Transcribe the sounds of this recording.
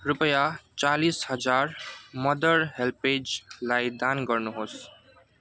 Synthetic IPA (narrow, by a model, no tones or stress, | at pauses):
rupʌjat͡salishʌd͡zarmʌd̪ʌɾɦelped͡zlajd̪anɡʌrnuɦos